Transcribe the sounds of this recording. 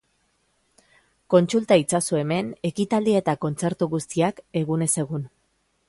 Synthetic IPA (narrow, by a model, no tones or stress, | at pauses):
ko̞nt͡sult̪ait͡sasue̞me̞ne̞kit̪ald̪iaet̪ako̞nt͡se̞ɾt̪uɣust̪iake̞ɣune̞se̞ɣun